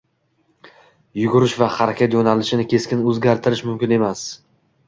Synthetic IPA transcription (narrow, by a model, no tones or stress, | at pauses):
jʊɡʊɾɪʃvaχaɾakʲʰat̪jonalɪʃɪnɪkʲʰe̞skʲɪnɵzɡʲaɾt̪ʰɪɾɪʃmʊmkʲɪne̞mas